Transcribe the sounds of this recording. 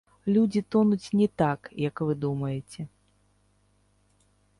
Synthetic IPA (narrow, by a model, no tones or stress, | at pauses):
lʲud͡zʲit̪ɔnut͡sʲnʲɛt̪akjɐkvɨd̪umɐjɛt͡sʲɛ